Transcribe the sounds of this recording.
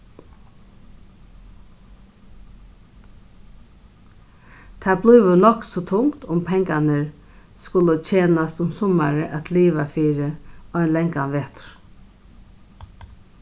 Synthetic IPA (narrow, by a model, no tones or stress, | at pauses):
t̪ʰabluːʋəlɔksɔt̪ʰʊŋkt̪ʊmpʰɛŋkanəɹ | skʊlət͡ʃʰeːnast̪ʊmsʊmaɾəʔæt̪liːʋafiːɾɪɔjnlɛŋkanʋeːt̪ʊ̥ɾ̥